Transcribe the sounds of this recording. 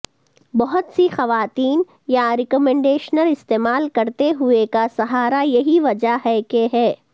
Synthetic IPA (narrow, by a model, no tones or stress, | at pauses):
bɔɦʊt̪sixɐʋaːt̪iːn | jaɾɪkɔmɛ̃ɳɖeːʃnəlɪst̪eːmaːlkɐɾt̪eɦʊekasɐɦaːɾajɐɦiʋɐd͡ʒaɦɛkeɦɛː